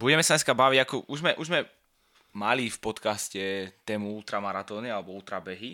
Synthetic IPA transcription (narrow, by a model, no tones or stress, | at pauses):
buɟɛmɛsaɲɛskabaʋiɟakɔʔuʒzmɛʔuʒzmɛ | malifpɔt̪kascɛt̪ɛːmuuːt̪ɾamaɾat̪ɔːnialɛbɔuːt̪ɾabɛɦi